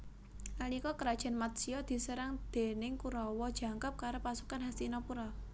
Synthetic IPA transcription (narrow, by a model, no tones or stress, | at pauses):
ʔalikɔkəɾad̥ʒ̥a̤nmat̪̚siɔd̪̥i̤səɾaŋd̪̥e̤nɪŋkuɾɔwɔd̥ʒ̥a̤ŋkap̚kaɾopasukanɦast̪inɔpuɾɔ